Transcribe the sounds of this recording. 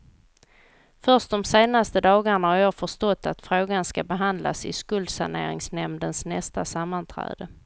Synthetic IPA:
fœʂʈ̚d̪ɔmseːnast̪əd̪ɑːɡaɳahaɾjɑːfœʂt̪ɔt̪ːat̪fɾoːɡanskabɛɦand̪la̰sɪskɵld̪sa̰ɳḛːɾɪ̰ŋsnɛmd̪ənsnɛst̪asamːant̪ʰɾɛ̰ːd̪̥ə

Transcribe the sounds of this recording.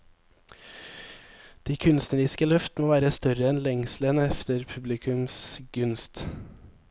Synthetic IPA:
d̪̥iːkʰʉnst̪nəɾɪskəlœft̪moːʋæːɾəst̪œɾəɛnlɛŋslənɛft̪əɾpʰʉblɪkʰʉmsɡʉnst̪

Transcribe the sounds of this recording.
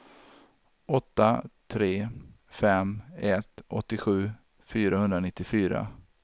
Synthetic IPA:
ɔt̪ːat̪ʰɾeː | fɛmɛt̪ʔɔ̰t̪ːɪɧʉ̟ː | fyːɾahɵnd̪ɾanɪt̪ːɪfyːɾa̰

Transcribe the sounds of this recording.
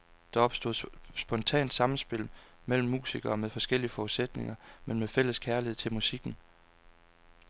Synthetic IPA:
d̥ɑ̈ɒ̽b̥sd̥o̝ðˠsb̥ɒ̽nt͡sʰɛ̰ːnd̥sɑ̈mn̩sb̥e̝l̰ | mel̰m̩ːṵːsiɡ̥ɐːmeðˠfɒ̽sɡ̥el̰iəfɒused̥ne̝ŋɐmenmefel̰əskʰæɐliheð̰ˠt͡sʰe̝lmusiɡ̥n̩

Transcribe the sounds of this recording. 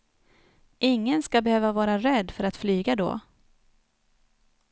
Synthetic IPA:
ʔɪŋːənskabɛhøːvavɑːɾaɾɛd̪ːfœɾat̪flyːɡad̪o̰ː

